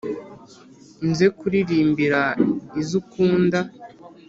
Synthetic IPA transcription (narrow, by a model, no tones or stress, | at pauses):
nze̞kuɾiɾiːmbiɾaizukuːnda